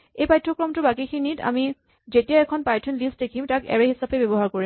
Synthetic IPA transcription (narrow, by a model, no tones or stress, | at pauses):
ejpajtʰɹɔkɹɔmtʊbakikʰinita̰mi | zetijaɛkʰɔnpajtʰɔnlistdekʰimtakɛ̰ɹɛhisapɛbɛbɔɦaɹkoɹim